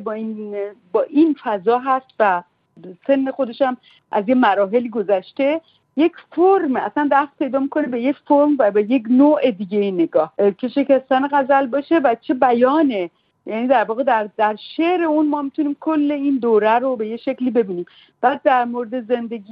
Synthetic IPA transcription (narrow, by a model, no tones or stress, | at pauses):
bɒinbɒːʔinfæzɒːɦæst̪væ | se̞nːe̞xod̪e̞ʃæm | ʔæzjemæɾɒːɦe̞liːɡozæʃt̪e̞ | je̞cʰfoɾmæ̰sænd̪æft̪̚pʰe̞jd̪ɒːmikʰo̞nebe̞jecfoɾmvæbeje̞cnoːʔe̞d̪iːɟejine̞ɡɒːhcʰe̞ʃe̞cæst̪æneɣæzælbɒːʃe̞væt͡ʃʰe̞bæjɒːne | jæːniːd̪æɾvɒːɣe̞d̪æɾd̪æɾʃeɾe̞unmɒːmit̪ʰuniːmkʰolːe̞iːnd̪oɾæɾobe̞jeʃecliːbe̞biːniːm | b̥æːd̪̚ːæɾmoɾed̪e̞ze̞nd̪e̞ɡi